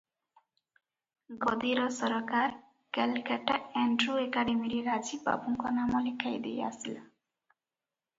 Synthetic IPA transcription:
ɡɔd̪iɾɔsɔɾɔkaɾ | kɛlkaʈaɛɳɖɾuekaɖemiɾiɾad͡ʒiba̰buŋkɔnamɔlikʰajd̪ḛja̰sila

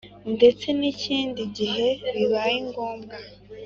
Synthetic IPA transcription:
nde̞t͡se̞niciːndiɟiɦe̞βiβajiŋɡo̞ːmɡa

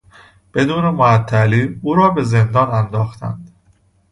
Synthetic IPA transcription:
b̥e̞d̪uːne̞moæt̪ʰːæliːuːɾɒːbe̞ze̞nd̪ɒːnænd̪ɒːxt̪ʰæ̰nd̪̥

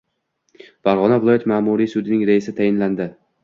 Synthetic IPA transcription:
faɾʁɒnavɪlˠɒjat̪maːmuɾisʊd̪ɪnɪŋɾaɪsɪt̪ʰajɪnland̪ɪ

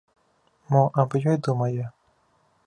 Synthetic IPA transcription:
mɔʔɐbjɔjd̪umɐjɛ

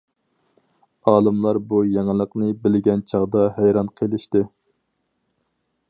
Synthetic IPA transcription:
ɑːlˠɨmlˠɑɾbujɛŋɨlˠəqnɨbɪlɡʲɛnt͡ʃʰɑʁd̪ɑɦæjɾɑnqʰelˠɪʃt̪ɪ

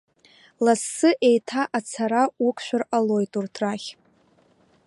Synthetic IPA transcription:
lasːɨʔe̞jtʰaʔat͡sʰaɾaukʷʰʃʷᶣʊralo̞jtʼurtʰraχʲ

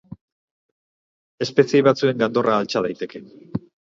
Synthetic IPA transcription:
e̞spe̞sieβat͡sue̞ŋɡand̪o̞rʔaːlt͡ʃað̞ajt̪e̞ke̞

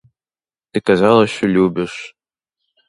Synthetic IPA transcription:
t̪ɨkazɑlˠɐɕɔlʲubʲɪʂ

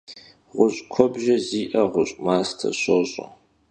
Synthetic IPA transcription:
ʁʷʊɕʼkʷʰɔbʒɐziːʔɐʁʷʊɕʼmaːstʰɐ̰ɕoɕʼʊ̰

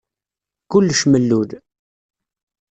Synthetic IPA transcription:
kʊlːʃməlːuð

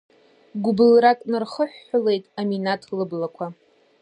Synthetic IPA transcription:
ɡʷʊbɨlrakʼnarχəħːʊle̞jtʼaminatʰlɨblakʷʰa

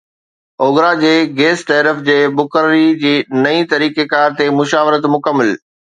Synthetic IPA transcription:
oːɡɾad͡ʑeːɡeːsʈɛːɾəfd͡ʑeːbʊkəɾɾid͡ʑiːnɐĩt̪ɐɾiːkekaːɾt̪emʊʃaːʋɾət̪mʊkəmːəl

